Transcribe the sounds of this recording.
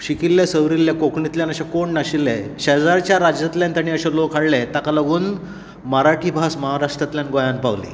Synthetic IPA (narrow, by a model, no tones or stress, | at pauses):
ɕikilːjasəʋɾilːjakokɳit̪ljanəɕakoɳnaɕilɛɕed͡zaɾt͡ɕjaɾad͡ʑat̪ljant̪aɽ̃iːəɕelokʰaɽlɛt̪akalaɡuːn | məɾaʈʰiːbʱasməɦaɾaʂʈɾat̪ljanɡojanpaʋlḭ